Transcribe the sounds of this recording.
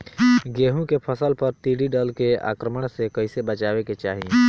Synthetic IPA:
ɡeːɦũkepʰəsəlpəɾt̪iːɽiɖəlkea̰ːkɾəməɽ̃sekəɪsebət͡ʃaːweket͡ʃaːɦi

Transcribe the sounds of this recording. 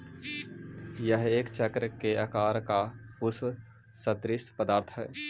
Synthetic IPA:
jəɦeːkt͡ʃəkɾkeəkaːɾkaʊsw | sət̪ɾɪspəd̪aːɾt̪ʰɦɛː

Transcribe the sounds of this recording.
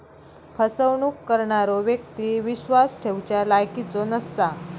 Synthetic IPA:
pʰəsəwɳuːkːəɾɳaɾɔʋjek̚t̪iːʋiɕʋasʈʰewt͡ɕjalajkit͡sonəst̪a

